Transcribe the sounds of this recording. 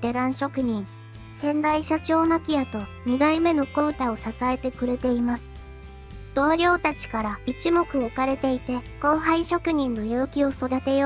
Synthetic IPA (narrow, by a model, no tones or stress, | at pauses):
t̪e̞ɾãɰ̃ɕo̞kɯ̟ɲ̟ĩŋ | sẽ̞nd̪aiɕat͡ɕo̞ːnakʲijat̪o̞ɲ̟iɡ̪aime̞no̞ko̞ɯ̟t̪ao̞sasae̞t̪e̞kɯ̟ɾe̞t̪e̞imasɨ̥ | d̪̥o̞ːɾʲo̞ːt̪at͡ɕi̥kaɾait͡ɕimo̞kɯ̟o̞kaɾe̞t̪e̞it̪e̞ko̞ːɦaiɕo̞kɯ̟ɲ̟ĩnːo̞jɯ̟ːkʲio̞so̞d̪at̪e̞jo